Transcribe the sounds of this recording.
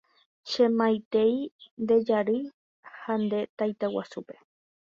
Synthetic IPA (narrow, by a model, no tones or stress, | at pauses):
ʃẽmãjt̪e̞jnd̪e̞d͡ʒaɾɨ | hand̪e̞t̪ajt̪awa̰supe